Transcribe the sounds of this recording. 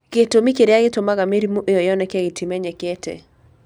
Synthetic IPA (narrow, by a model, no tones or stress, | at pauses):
ketomikeɾjaɡɪtomaɡameɾimoʔɪjɔjɔnɛkɛɡɪtʰimɛɲɛketʰḛ